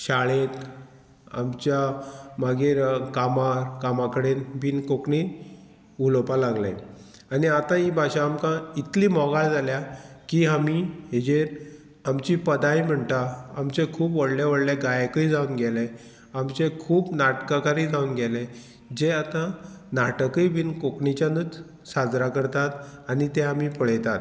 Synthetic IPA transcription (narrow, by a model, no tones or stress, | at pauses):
ɕaɭet̪ | a̰mt͡ɕjamaɡeɾkamaɾkamakəɽenbʱiːnkokɳiː | ʋulopalaɡla̰ | aniat̪ãibʱaɕaːmkãit̪liːmɔɡaɭd͡zaljakiamiɦed͡ʑeɾ | amt͡ɕiːpəd̪aim̤əɳt̪aamt͡ɕekʰuːpʋəɽleʋəɽleɡajkəid͡zaunɡɛle | amt͡ɕekʰuːbnaʈkakaɾĩd͡zʱaunɡɛle | d͡ʑeat̪ãnaʈəkiibinkokɳit͡ɕjanud͡z | sad͡zɾakəɾt̪at̪anit̪eamiːpəɭəjt̪at̪